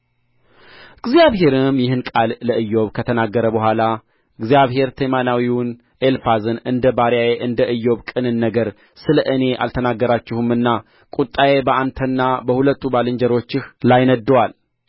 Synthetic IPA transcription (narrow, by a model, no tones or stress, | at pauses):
ɨɡzijaβɦe̞ɾɨmjɪhɨnkʼalːəʔɨjːo̞βkʰət̪ʰənaɡːəɾəbəɦʷala | ɨɡzijaβhe̞ɾt̪ʰəmanawiwn | elfazɨnɨnd̪əbaɾjajeʔɨnd̪əʔɨjːo̞βkʼɨnɨnːəɡəɾ | sɨləʔɨne̞ʔa̰lt̪ʰənaɡːəɾat͡ʃːɪhɨmɨnːa | kʼut̪ʼːajebəʔant̪ʰənːabəhulət̪ʰːubalɨɲd͡ʒəɾo̞t͡ʃːɪhlajnəd̪ːəwal